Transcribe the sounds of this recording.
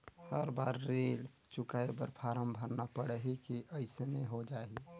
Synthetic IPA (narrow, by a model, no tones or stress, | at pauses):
həɾbaɾːel | t͡ʃʊkaebəɾpʰaɾəmbʱəɾnapəɽəɦikiʔəɪsenəiɦod͡ʒai